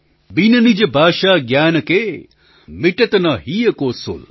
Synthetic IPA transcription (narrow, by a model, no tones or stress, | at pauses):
binɐnid͡ʒɐbʱaːʃaːɡjaːnɐke | miʈɐt̪ɐnɐɦijɐkoːsṵl